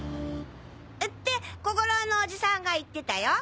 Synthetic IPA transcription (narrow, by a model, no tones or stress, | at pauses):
ɯ | ɯ̟t̪ːe̞kokoɾonoːd͡ʑisãŋɡait̪ːe̞t̪ajo